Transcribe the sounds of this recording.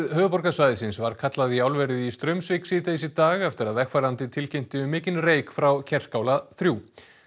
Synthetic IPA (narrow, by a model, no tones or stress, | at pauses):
ðhœːðʏpɔɾkasvajðɪsɪnsvaɾ̥kʰat̪laðiawlvɛɾɪðist̪ɾœmsvɪksiːt̪aisit̪aːɣɛft̪ɪɾaðɛkfaɾant̪ɪt̪ʰɪlcejm̥t̪ɪʏmːɪːcɪnreːjkfɾawcʰɛr̥skaːwlaθɾjuː